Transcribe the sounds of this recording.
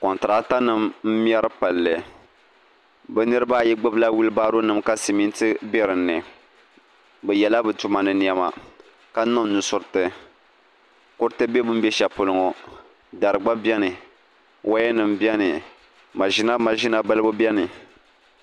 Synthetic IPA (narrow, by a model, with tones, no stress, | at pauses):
kɔ˨n˨tɨ˨ɾa˦ta˦nɨ˦mm̩˦m˦ɛ˦ɾɨ˦pa˨lːɨ˨ | bɛ˦nɨ˦ɾɨ˦ba˦jɛ˦ɡ͡bɨ˦bla˦wu˦lɨ˦baː˦ɾo˦nɨ˨mka˦si˨mi˦n˦tɨ˦bɛ˦ɾɨ˨nːɨ˨ | bɛ˨jɛ˨la˦bɨ˨tu˨ma˨nɨ˨ni˨ɛ˨ma˨ | ka˦nɔ˦m˦nʊ˨sʊ˨ɾɨ˦˨tɨ˨ | kʊ˦ɾtɨ˦be˦bɨ˦m̩˦bɛ˦ʃa˨pʊ˨lʊ˨˦ŋɔ˨ | da˨ɾɨ˨ɡ͡ba˦bjɛ˦nɨ˨ | wʔa˦jɛ˦nɨ˨m̩bi˦ɛ˦nɨ˨ | ma˨ʒi˦na˦ma˨ʒi˦na˦ba˦lɨ˦bʊ˦bɛ˦nɨ˨